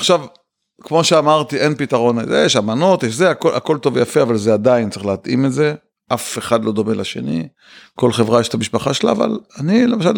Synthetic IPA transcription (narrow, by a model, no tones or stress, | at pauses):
aχʃav | kmo̞ʃeamaʁt̪iʔe̞npit̪aʁo̞nzḛjeʃamano̞t̪jeʃzeakolʔako̞lt̪o̞vejafeavalzead̪aint͡s̪aʁeχleat̪ʔimetze̞ | ʔafe̞χad̪lo̞d̪o̞melaʃe̞̰nḭ | ko̞lχe̞vʁajeʃe̥t̪amiʃpaχaʃela̰ːva̰lanilemaʃ̬al